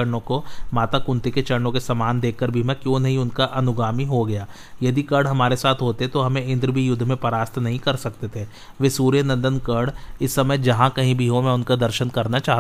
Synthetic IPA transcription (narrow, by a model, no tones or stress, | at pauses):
ɐɾɳõkomaːt̪akʊ̃nt̪iket͡ʃɐɾnõkesɐmaːnd̪eːkʰːɐɾbʱimɛ̃kjõːnɐɦĩʊnkaʔɐnʊɡaːmiɦoɡɐjaː | jɐd̪ikɐɾɽɦɐmaːɾesaːt̪ʰɦoːt̪eɦɛt̪oɦɐmẽɪ̃nd̪ɾəbʱijʊd̪ʱːmẽpɐɾaːst̪ʰnɐɦĩkɐɾsɐk̚t̪et̪ʰeː | ʋeːsuːɾjənɐ̃nd̪ənkɐɽɪsːɐməjd͡ʒɐɦãkɐɦĩbʱiɦomɛ̃ʊnkad̪ɐɾʃənkɐɾnat͡ʃaːɦ